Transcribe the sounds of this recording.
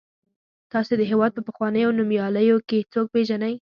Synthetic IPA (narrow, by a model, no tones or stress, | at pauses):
t̪ɑsed̪əɦewɑd̪̚pəpəxwɑnəjawnumjɑləjoket͡soɡ̚peʒanaj